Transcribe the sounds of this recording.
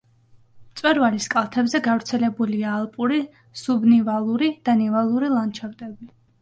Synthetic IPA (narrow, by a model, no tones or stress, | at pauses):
mt̪sʼwɛɾvaliskʼalˠt̪ʰɛbzɛɡavɾt̪sʰɛlɛbuliaːlˠpʼuɾi | subnivalˠuɾid̪̥anɛvalˠuɾilˠant͡ʃʰaɾt̪ʼɛbi